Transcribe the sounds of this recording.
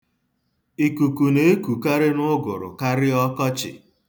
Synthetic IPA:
i˨ku˨ku˨ne˦e˦ku˨ka˦ɾɪ˦nʊ˦ɡʊ˨ɾʊ̰˨ka˦ɾɪ˦ɔ˦kɔ˦t͡ʃɪ̰˨

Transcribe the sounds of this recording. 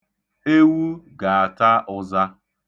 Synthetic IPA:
e˦wu˦ɡa˨a˨ta˦ʔʊ˦za˦

